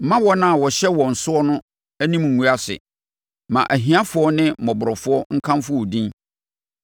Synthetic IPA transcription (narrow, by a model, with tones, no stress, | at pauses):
m̩˦mã˦wɔ˦nã˦˨wɔ˨ɕɛ˦wɔ̃˨n̩˨sʊ˦ɔ˦nʊ̃˦ | æ˦nĩ˦m˨ŋ̩ː˨ũ˨˦a˦sɪ̰˨ | mã̰˨ʔæ˨ɦĩ˨˦a˦fʊ˨˦ɔ˦nɪ̃˦mɔ̃˨bʊ˨ɾɔ˨fʊ˦ɔ˦ŋ̩˦kʰã˦mfʊ˦ɔ˨dĩ˦n